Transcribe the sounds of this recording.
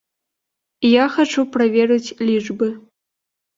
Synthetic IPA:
jaxɐʈ͡ʂuprɐvʲerɨt͡sʲlʲiʐbɨ

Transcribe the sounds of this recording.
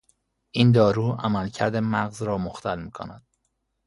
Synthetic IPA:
ʔiːnd̪ɒːɾuːæmælcʰæɾd̪emæɣzɾɒːmoxt̪ʰælmiːkʰo̰næd̪̥̚

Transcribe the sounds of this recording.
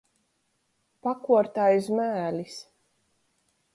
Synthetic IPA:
pakuɔɾt̪ajzmæːlʲis

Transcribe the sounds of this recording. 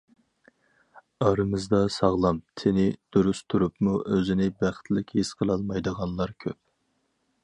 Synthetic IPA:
ɑɾɨmɨzd̪ɑsɑʁlˠɑmt̪ʰɪnɪd̪̥uɾust̪ʰuɾupmuʔøzɪnɪbæχt̪lɪkʲhesqʰəlˠɑlˠmɑjd̪əʁɑnlˠɑɾkʲʰøp̚

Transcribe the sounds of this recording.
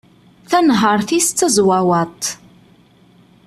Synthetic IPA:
θænɦəɾˤθist͡s̪ːəzwawæt̪ˤ

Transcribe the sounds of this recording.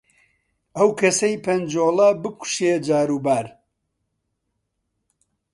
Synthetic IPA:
ɐwkʰɐsɐjpʰɐnd͡ʒoːlˠɐbɨku̥ʃed͡ʒaːɾuːbaːɾ

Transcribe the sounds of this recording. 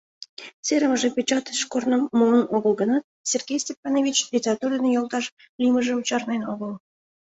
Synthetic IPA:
t͡seɾəməʒĕpʲet͡ɕɑt̪ə̥ʃkornəːolˠənoɣəlˠɡə̆nɑt̪̚sʲerɡʲejsʲtʲepːɑnovʲit͡ɕlʲitʲerɑt̪urənejolˠt̪ɑʃ | lʲiməʒĕut͡ɕɑrnenoɣəlˠ

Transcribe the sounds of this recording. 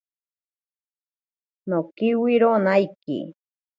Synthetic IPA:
nokiwiɾonajkḭ

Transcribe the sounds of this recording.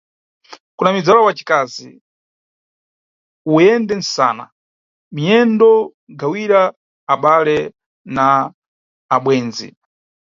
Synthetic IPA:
kunamid͡zalawat͡ʃi̥kaːzḭ | uɛndɛn̩sa̰ːna̰ | mijɛndɔ | ɡawiɾaː | ɓalɛ | naː | ɓwɛːnzḭ

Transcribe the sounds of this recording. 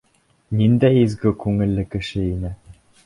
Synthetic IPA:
nind̪æjizɡɘkʉŋɘ̆lːɘkɘ̆ʃɘinɘ

